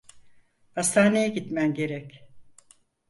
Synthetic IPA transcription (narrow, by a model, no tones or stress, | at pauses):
hast̪ʰaːnejɛɟit̪mænɟe̞ɾɛc